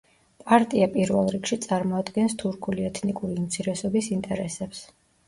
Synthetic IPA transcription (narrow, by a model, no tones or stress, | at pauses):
pʼaɾt̪ʼiapʼiɾvɛlˠɾikʃit̪sʼaɾmɔad̪ɡɛnst̪ʰuɾkʰuliɛt̪ʰnikʼuɾiumt̪sʰiɾɛsɔbisint̪ʼɛɾɛsɛps